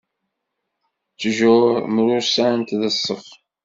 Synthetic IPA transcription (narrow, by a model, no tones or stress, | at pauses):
t͡sːʒʊɾmɾʊɾsæənt̪ðəsˤːəχ